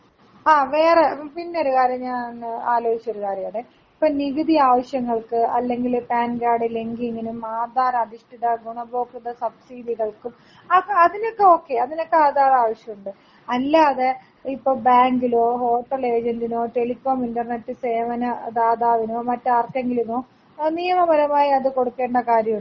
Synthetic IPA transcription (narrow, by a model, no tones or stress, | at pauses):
aːʋe̞ːrepinːe̞o̞ɾukaːɾjɐɲaːnnaːlo̞ːit͡ɕːɐo̞ɾukaːɾjɐjaːɳe | ipːoːniʋiðiaːʋɐɕjɐŋːɐɭkɨɐ̰lːe̞ŋɡilpaːnɡaːɽɨliŋɡiŋɡinumːaːd̪aːɾɐɐd̪iʂʈiðɐɡuɳɐbo̞ːkːuðɐsɐbsiːdiɣɐɭkum | ɐɐðino̞kːeo̞ːkːe̞ɐðino̞kːeaːðaːraːʋɐɕjɐmuɳɖɨ | ɐlːaːðe | ipːoːbaːŋɡilo̞ːho̞ːʈːɐle̞ːd͡ʑɐndino̞ːʈe̞likːoːmindɐrnetːɨse̞ːʋɐnɐd̪aːðaːʋino̞ːmɐtːɨaːrkːeŋɡilumoː | niːjɐmɐbɐɾɐmaːjiɐðɨko̞ɽukːe̞ːɳɖɐkaːɾjɐmuɳɖɨ